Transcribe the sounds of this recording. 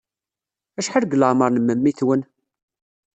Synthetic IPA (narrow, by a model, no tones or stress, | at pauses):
æʃħəɾɡləʕməɾˤnəməmːiθwən